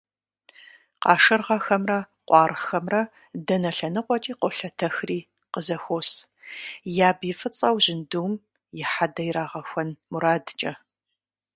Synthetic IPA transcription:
qɑːʃɨrʁɐxɐmrɐ | qʷʼɑːrxɐmrɐ | dɐnɐɬɐnɨqʷʼɔt͡ʃʼiːqʷɔɬɐtʰɐxriː | qəzɐxʷoːs | jaːbifɨt͡sʼɐwʑɪnduːm | jɪħadɐjɾaːʁɐxʷɔnmuɾaːdt͡ʃʼɐ

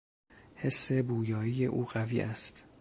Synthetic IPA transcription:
he̞sːe̞buːjɒːiːje̞ʔṵːɢævḭːʔæst̪

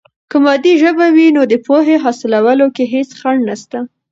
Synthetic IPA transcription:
kəmɑd̪iʒəbawinod̪əpoɦeɦɑsɪlawəlokeɦet͡sxaɳnast̪a

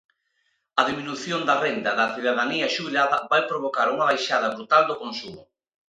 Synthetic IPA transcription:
ɐðiminuθjond̪ɐrend̪ɐðɐθiðaðaniɐʃuβilaðɐβajpɾoβ̞okaɾuŋaβajʃað̞ɐβɾut̪ald̪okonsumʊ

